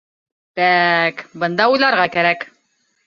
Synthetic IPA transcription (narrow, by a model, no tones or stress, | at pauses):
bækbɤ̆nd̪ɑujlˠɑɾʁɑkæɾæk